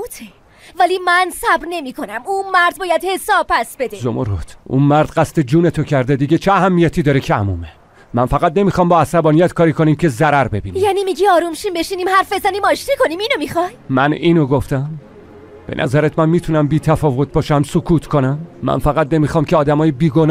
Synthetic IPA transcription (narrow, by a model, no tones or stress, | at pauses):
t̪ʰe | væliːmænsæbɾne̞miːkʰo̞næmunmæɾd̪̚bɒːjæd̪he̞sɒːb̚pʰæsb̥e̞d̪ezo̰mʔoɾot̪ʰṵnmæɾd̪ɢæst̪e̞d͡ʒuːnet̪ʰocʰæɾd̪e̞d̪iɟet͡ʃʰeæɦæmːijæt̪ʰiːd̪ɒːɾecʰeæmuːme | mænfæɣæt̪ne̞miːxɒːmbɒːæsæbɒːnijæt̪kʰɒːɾiːkʰo̞niːmcʰe̞zæɾæɾbe̞biːnijæːnimiɟiɒːɾumʃiːmbe̞ʃiːniːmhæɾfbezænimɒːʃt̪ikʰo̞nimiːnomixɒjmæniːnoɡoft̪æm | b̥e̞̰nʔæ̰zæɾæt̪mænmiːt̪ʰunæmbiːt̪ʰæfɒːvo̞t̪̚bɒːʃæmsokʰuːt̪ʰkʰonæmːæ̰nfæɣæt̪ne̞mixɒːmcʰeɒːd̪æmɒːjebiːɡo̞n